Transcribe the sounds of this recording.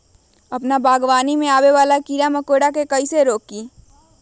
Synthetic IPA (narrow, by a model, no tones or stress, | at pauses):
ɐpnabaːɡʋaːnimẽaːweʋaːlakiːɾamɐkoːɽakekəiseɾoːk̚ːiː